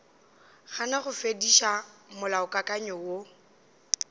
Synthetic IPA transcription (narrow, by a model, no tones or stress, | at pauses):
ɣanaχʊfediʃamʊlaʊkʼakʼaɲɔwo